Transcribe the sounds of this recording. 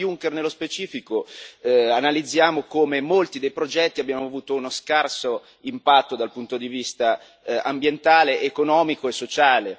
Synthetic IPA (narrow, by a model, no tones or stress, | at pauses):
juŋkernelːospet͡ʃiːfiko | analid̪zːjaːmokomemolt̪id̪ejpɾod͡ʒɛt̪ːiabːjaːmoavuːt̪ounoskarso | impat̪ːod̪alpunt̪od̪ivist̪a | ambjent̪aːleʔekonɔːmikoesːot͡ʃaːle